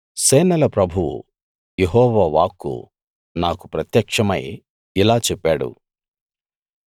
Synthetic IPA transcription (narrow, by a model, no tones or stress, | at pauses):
seːnɐlɐpɾɐbʱuwṵ | jeɦɔːʋaːʋaːkːṵ | naːkupɾɐt̪jɐkʂɐmɐj | ilaːt͡ʃɛpːaːɽṵ